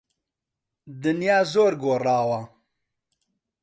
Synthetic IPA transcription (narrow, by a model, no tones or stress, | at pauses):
d̪ɨnjaːzoːɾɡoːraːwɐ